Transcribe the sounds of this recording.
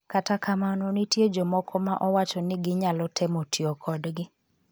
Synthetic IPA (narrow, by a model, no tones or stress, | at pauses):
katakamanɔnɪtjed͡ʒɔmɔkʰɔmaʔɔwat͡ʃɔnɪɡɪɲalɔtʰɛmɔtʰjɔkʰɔdɡɪ